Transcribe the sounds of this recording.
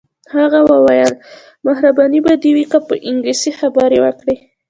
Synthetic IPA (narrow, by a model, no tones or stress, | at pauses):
haɣawawajɑn | maɦɾabɑnibad̪iwikapəʔɪŋɡlisixabaɾewə̰kɽi